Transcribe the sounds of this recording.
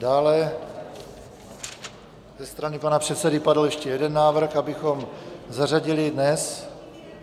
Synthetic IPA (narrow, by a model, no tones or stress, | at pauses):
daːlɛ | zɛst̪ɾanɪpanapr̝̥ɛt̪sɛdɪpadl̩jɛʃcɛjɛdɛnːaːvr̩xabɪxomzaraɟɪlɪdnɛs